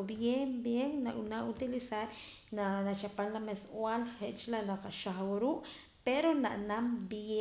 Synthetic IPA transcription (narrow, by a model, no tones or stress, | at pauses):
bjembjeŋnaʔunaut̪ilisaɾ | nanat͡ʃapalnameswalχeʔt͡ʃlanaqaʃaχwaɾuːʔ | peɾonaʔnamb